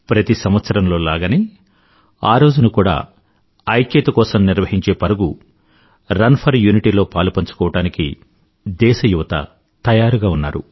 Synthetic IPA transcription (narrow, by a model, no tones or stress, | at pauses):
pɾɐt̪isɐmʋɐt̪sɐɾɐmlo̞ːlaːɡɐni | aːɾo̞ːd͡ʒunɐkuːɽa̰ː | ɐjkjɐt̪ɐkɔːsɐmniɾʋɐɦiɲt͡ʃe̞ːpɐɾuɡu | ɾɐnpʰɐɾjuːniʈiːlo̞ːpaːlupɐɲt͡ʃu̥kɔːʋɐʈaːnikḭ | d̪ɛːʃɐjuʋɐt̪ɐ̰ | t̪ɐjaːɾuɡaːunːaːɾṵ